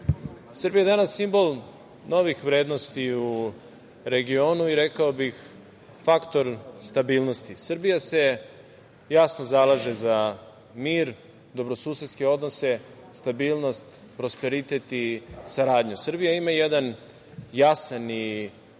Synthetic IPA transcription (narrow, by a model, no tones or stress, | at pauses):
sr̩bijad̪anasːimbo̞lˠ | no̞ʋixʋɾe̞ːd̪nost̪iu | ɾe̞ɡio̞nuiɾekaobix | fakt̪o̞ɾst̪abiːlˠno̞st̪isr̩bijase̞ | jasno̞zalˠaʒe̞za | miːɾ | d̪o̞bɾo̞suːset̪ske̞o̞d̪nose̞ | st̪abiːlˠno̞st̪ | pɾo̞spe̞ɾit̪e̞t̪isaɾaːd̪ɲusr̩bijaimajed̪an | jasani